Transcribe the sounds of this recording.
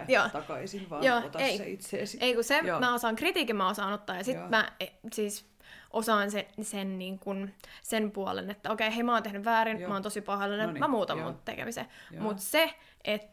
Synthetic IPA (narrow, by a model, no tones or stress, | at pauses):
joːt̪ɑkɑisinɑjoːt̪eiiseʔeikusemæosɑːŋkrit̪iːkimmæosɑːnot̪ːɑːjɑsit̪mæesiːs | ʔosɑːnsesenniːŋkunsenpuɑ̰lḛnet̪ːæokeiheimæɑoːnt̪ehnyʋʋæːɾinmɑoːnt̪osipɑhɑlenemæmuːt̪ɑmːṵnt̪ḛkḛmisḛmut̪se | ʔet̪